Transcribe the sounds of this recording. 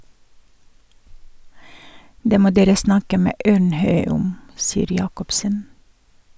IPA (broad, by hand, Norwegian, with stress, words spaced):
ˈdeː ˈmoː ˈdeːɾə ˈsnɑkə ˈmeː ˈøːɳˌhœʏ ˈʊm ˈsiːəɾ ˈjɑːkɔpsən